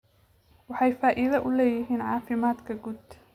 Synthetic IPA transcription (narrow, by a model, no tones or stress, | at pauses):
wɑħɑjfaːʔɪðɐʔʊlɛːjɪɦiːnʕɑːfɪmaːd̪kʰɐɡud̪